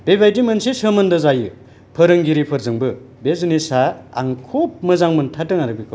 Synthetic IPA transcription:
b̥ebajdimɯnsesɯmɐndɯzajɯ | pʰɯɾɯŋɡiɾipʰɯɾzɯŋbɯ | bezunisaa̰ŋkʰop̚mɯzaŋmɯntʰatɯŋaɾɯbikʰo

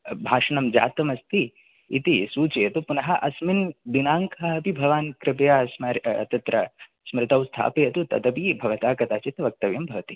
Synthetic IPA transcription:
bʱaːʃɐnɐmd͡ʒa̰ːt̪ɐmɐst̪ʰḭː | t̪isuːt͡ʃejɐt̪upunɐɦɐʔɐsmind̪inaːŋkʰɐɦɐpibʱɐʋaːnkɾɪpɐjaːsmɐɾɐt̪ɐt̪ɾɐ | smɾɪt̪ɐwst̪ʰa̰ːpɐjɐt̪ut̪ɐ̰d̪ɐpibʱɐʋɐt̪aːkɐt̪aːt͡ʃit̪ʋɐk̚t̪ɐʋjɐmbʱɐʋɐt̪i

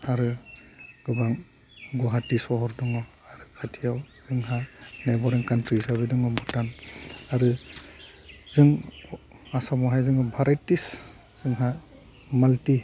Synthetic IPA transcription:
aɾɯ | ɡɯbaŋ | ɡɔɦatisɔɦɔɾdɔŋɔ | aɾɯkʰatʰijaw | zɯŋɦanebɔɾɛŋkantɾisabidɯŋɔmɔtanaɾɯ | zɯŋ | asamɔɦajzɯŋɔbʱaɾajtis | z̥ɯŋɦa | malti

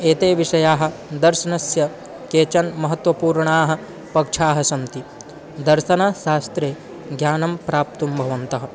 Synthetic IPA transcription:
eːt̪eːʋiʂɐjaːɦɐ̆d̪ɐɾʃɐnɐsjɐ | keːt͡ʃɐnmɐɦɐt̪ʋɐpuːɾɳaːɦɐ̆ | pɐkʂʰaːɦɐsɐnt̪i | d̪ɐɾʃɐnɐʃaːst̪ɾeː | ɡʱjaːnɐmpɾaːp̚t̪umbʱɐʋɐnt̪ɐɦɐ̆

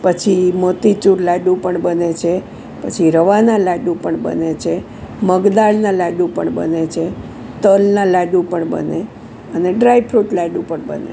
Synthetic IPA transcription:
pət͡ʃʰimot̪it͡ʃuɾlaɖũpəɳbənet͡ʃʰe | pət͡ʃʰiɾəʋanalaɖũpəɳbə̰net͡ʃʰe | məɡd̪aɭnãlaɖũpə̰ɳbə̰net͡ʃʰe | t̪əlnãlaɖũpəɳbə̰ne | əneɖɾajpʰɾuʈlaɖũpəɳbə̰nḛ

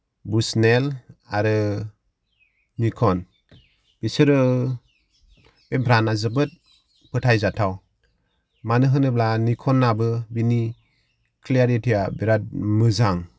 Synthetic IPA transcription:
busnela̰ɾɯ | nikʰɔn | b̥isɯɾɯ | bebʱɾanazɯbɯt̚ | pɯtʰajzatʰaw | manɯɦɯnɯblanikʰɔnːabɯbini | kʰliaɾitʰijabiɾat̚mɯzaŋ

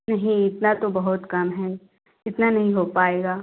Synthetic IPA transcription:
nɐɦĩɪt̪nat̪obɐɦʊt̪kɐmɦɛː | ɪt̪nanɐɦĩɦoːpaːeːɡaː

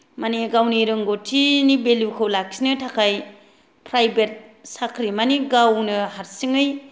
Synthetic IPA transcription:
maniɡawniɾɯŋɡotʰinibeljukʰɯwlak̚sinɯtʰakʰaj | pʰɾajbet̚sakʰɾimaniɡawnɯɦaɾsɯŋɯj

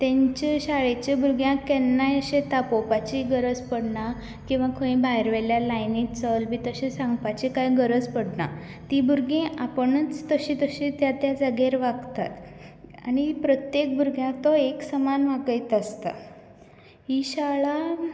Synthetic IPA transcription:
t̪ɛ̃ɲt͡ɕeɕaɭet͡ɕebʱuɾɡjãkɛnːajəɕet̪apopat͡ɕiɡəɾəd͡zpəɽɳa | kĩw̃ʋakʰəĩbʱajɾʋɛljalajnit͡səlmiːt̪əɕesaŋɡpat͡ɕikajɡəɾəd͡zpəɽɳa̰ | t̪ibʱuɾɡẽʔapəɳət͡st̪əɕĩt̪əɕĩt̪jat̪jad͡zəɡeɾʋaɡt̪a̰t̪a̰ñipɾət̪jek̚bʱuɾɡjãt̪ɔeksəmanʋ̤aɡəjt̪ast̪a̰ | iɕaɭa

